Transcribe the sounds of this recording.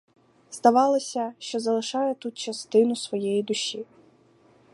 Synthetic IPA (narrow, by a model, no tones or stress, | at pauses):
zd̪ɐʋɑlˠɔsʲɐʃt͡ʃɔzɐlˠɪʃɑjɛt̪ut̪t͡ʃɐst̪ɪnʊsʋɔjɛjid̪ʊʃi